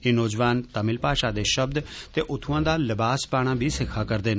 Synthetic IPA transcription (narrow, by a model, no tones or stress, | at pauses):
eːnoːd͡ʒʋaːnt̪əmɪlpaːʃaːd̪eːʃəbd̪t̪eːʔʊt̪ʰʊ̃ãːd̪aːləbaːspaːɽ̃ãːbʱiːsɪkʰːaːkəɾd̪eːn